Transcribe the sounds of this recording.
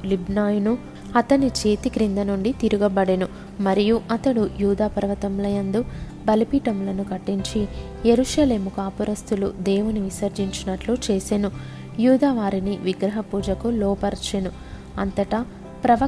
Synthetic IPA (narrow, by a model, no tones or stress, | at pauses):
libnaːjunu | ɐt̪ɐnit͡ʃe̞ːt̪ikɾind̪ɐnuɳɖit̪iɾuɡɐbɐɽenu | mɐɾijuʔɐt̪ɐɽujuːd̪aːpɐɾʋɐt̪ɐmlɐjɐnd̪u | bɐlipiːʈɐmlɐnukɐʈːiɲt͡ʃi | jeɾuʃɐleːmukaːpuɾɐst̪ulṵd̪ɛːʋuniʋisɐɾd͡ʒiɲt͡ʃinɐʈlut͡ʃeːsenu | juːd̪aːʋaːɾiniʋiɡɾɐɦɐpuːd͡ʒɐkulɔːpɐɾt͡ʃenu | ɐnt̪ɐʈɐ | pɾɐʋɐ